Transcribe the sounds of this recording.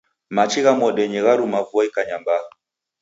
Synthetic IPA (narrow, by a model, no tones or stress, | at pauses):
mat͡ʃiɣamɔɗɛɲɛɣaɾumavuɔikaɲamba